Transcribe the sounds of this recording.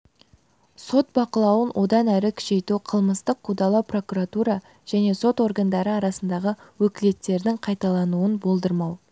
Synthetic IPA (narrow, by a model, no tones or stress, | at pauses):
so̞t̪̚bɑqəlˠɑwənwʔo̞d̪ɑnæɾɪkʲʰʏ̥ʃe̞t̪uqʰəlˠməst̪əqːʰud̪ɑlˠɑwpro̞kuɾat̪uɾɑ | ʒ̥æne̞so̞t̪o̞ɾɡand̪ɑɾəɑɾɑsənd̪ɑʁəwɵkʲɪle̞t̪ːe̞ɾd̪ɪŋqʰɑjt̪ɑlˠɑnuənbo̞lˠd̪əɾmɑw